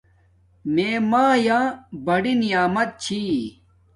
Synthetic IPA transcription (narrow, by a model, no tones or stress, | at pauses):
meːmãːjãːbɐɽinijaːmɐt̪̚t͡ɕʰi